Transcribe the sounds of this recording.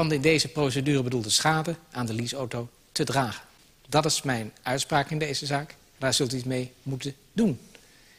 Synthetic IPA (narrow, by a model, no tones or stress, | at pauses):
ɑndəɪndejzəprows̬ədyːrəbədulˠdəsχaːdəaːndəlisowtow | tədraːχən | dɑtɪsmɛjnʔœɥtspraːkɪndejzəzaːk | daːɹz̥ɵlˠtyitmejmutən | dun